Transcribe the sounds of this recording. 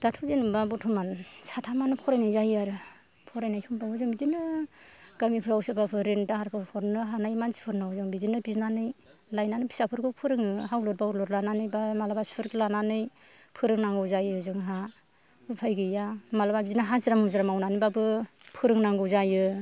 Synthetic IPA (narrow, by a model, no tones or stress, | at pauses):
d̥atʰuzenubabɔtʰumansatʰamanɯpʰɔɾajnajzajaɾɯ | pʰɔɾajnajtʰuŋbauzɯŋbizinɯ | ɡ̥amipʰɯɾawsɯbapʰɯɾentahaɾpʰɯpʰɔɾnɯɦanajmansi̥pʰɯɾnawzɯŋbizinɯbiznanɯj | lajnanɯpʰi̥sapʰɯɾɡɯwpʰɯɾɯŋɯɦawlɔt̚bauɾlɔtlananɯjbamalabaspʰɯɾklananɯj | pʰɯɾɯŋnaŋɡɯwzajɯzɯŋɦa | bɯpʰajɡɯjamalababiznaɦazɯɾamazɯɾamawnanɯjbabɯpʰɯɾɯŋnaŋɡɯwzajɯ